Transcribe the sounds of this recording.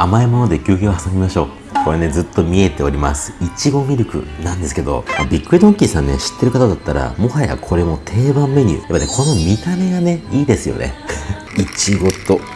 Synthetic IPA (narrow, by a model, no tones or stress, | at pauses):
amaemo̞no̞d̪e̞kʲɨːɡʲoːhasambʲimaɕo̞̰ː | koɾene̞zɨt̪ːo̞mʲie̞t̪e̞o̞ɾʲima̰sɨ̥it͡ɕiɡo̞mʲiɾɯ̟kɯ̟̰nãnd̪e̞sɨ̥ke̞d̪o̞̰mabʲikːɯɾid̪õŋkʲiːsãnːe̞̰ɕi̥t̪ːe̞ɾɯ̟kat̪ad̪at̪ːaɾa̰mo̞haja̰kʰo̞ɾe̞mo̞t̪ʰe̞ːbãmːe̞ɲ̟ʲɨ̰ːjapːanekʰo̞no̞mʲit̪ame̞ɡane̞iːd̪e̞sɨjo̞̰ne̞̰ | it͡ɕiɡo̞t̪o̞